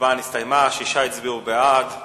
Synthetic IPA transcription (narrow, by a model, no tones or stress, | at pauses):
vanist̪ajmaʃiʃait͡sbiubead